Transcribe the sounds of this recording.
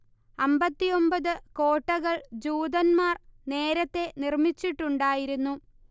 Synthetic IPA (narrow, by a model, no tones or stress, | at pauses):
ɐmbɐt̪ːijo̞mbɐðɨko̞ːʈːɐɣɐɭd͡ʑuːd̪ɐnmaːrne̞ːɾɐt̪ːe̞nirmit͡ɕːiʈːuɳɖaːjiɾunːu